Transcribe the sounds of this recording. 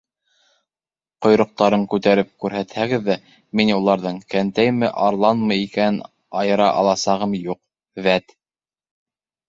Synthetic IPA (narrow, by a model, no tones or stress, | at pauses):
qŏjɾŏq̚t̪ɑɾɤɴkʉt̪æɾɘp̚kʉɾɦæt̪hæɡɘðːæ | minulˠɑɾðɤɴkænt̪æjmɘʔɑɾlˠɑnmɤ̆jikænn | ɑjɤ̆ɾɑʔɑ̰lˠɑsɑʁɤmjuq̚ | væt̪